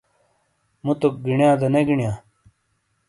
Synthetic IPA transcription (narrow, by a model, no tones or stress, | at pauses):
mut̪ok̚ɡiɳjãːd̪ɐneɡiɳjaː